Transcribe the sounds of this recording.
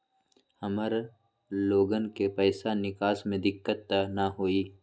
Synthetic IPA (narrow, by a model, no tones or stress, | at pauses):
hɐməɾ | loːɡənkepɛːsanɪkaːsmẽd̪ɪkːət̪ːanaɦoːiː